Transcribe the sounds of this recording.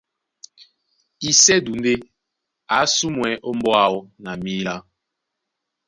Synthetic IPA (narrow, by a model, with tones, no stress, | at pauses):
i˨sɛ˦du˨nde˦ | a˨˦su˦mwɛ˨˦ʔɔ˦m˦bwa˦˨wo˦na˨miː˦la˦